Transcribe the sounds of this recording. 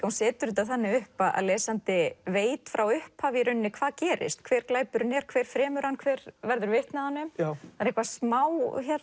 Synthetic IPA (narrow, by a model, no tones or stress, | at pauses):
ahunsɛːt̪ʏɾʏt̪aθanːɪʏhpaðʔa̰ðlɛːsant̪ɪveːjt̪fɾawʏhphaːvɪɾʏnːɪkʰvaːðcɛːɾɪ̰st̪kʰvɛːɾklaːjpʏɾnɛːɾ̥kʰvɛːɾ̥fɾɛːmʏɾ̥hanːkʰvɛːɾvɛɾðʏɾvɪht̪nahanːɪmaɾẽhkvasmaːwçɛɾ